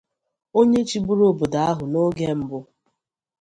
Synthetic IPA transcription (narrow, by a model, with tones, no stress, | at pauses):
o˦ɲe˦t͡ʃi˨bu˦ɾo˦˨bo˨da˨a˦ɦʊ˨no˦ɡe˦m̩˦bʊ˦